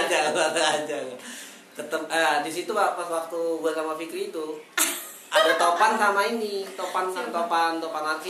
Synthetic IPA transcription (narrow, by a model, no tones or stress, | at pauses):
d͡ʒababəad͡ʒaɡa | t̪ət̪əmədisit̪uapaswak̚t̪ubuasamafikɪɾit̪u | ʔadat̪opansamainit̪opansant̪opant̪opanarki